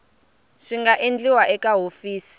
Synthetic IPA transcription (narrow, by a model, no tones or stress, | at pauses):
ʂiŋɡaʔend͡ɮiwaʔɛkaɦofiːsi̥